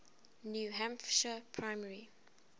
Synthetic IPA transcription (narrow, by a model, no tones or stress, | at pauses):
njuɦãmfʃəpʰɹaɪməɹi